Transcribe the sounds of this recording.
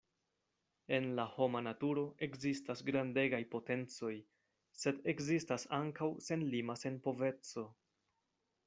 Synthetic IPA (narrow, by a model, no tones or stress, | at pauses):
e̞nlaho̞manatuɾo̞ʔe̞kzistasɡɾande̞ɡajpo̞te̞nt͡so̞j | se̞de̞kzistasaŋkawse̞nlimase̞npo̞ve̞t͡so̞